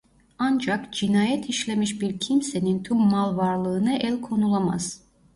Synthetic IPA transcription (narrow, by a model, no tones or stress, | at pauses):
and͡ʒakd͡ʒinaːjɛt̪ʰiʃlʲe̞miʃbiɾcʰimse̞nint̪ʰumːalˠvaɾlˠɯːnɯʔælʲkʰo̞nulˠama̰z̥